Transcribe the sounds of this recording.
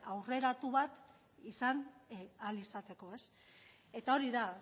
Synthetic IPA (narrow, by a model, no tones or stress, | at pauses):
awre̞ɾat̪uβat̪ | isanalisat̪e̞ko̞e̞s | e̞t̪ao̞ɾiða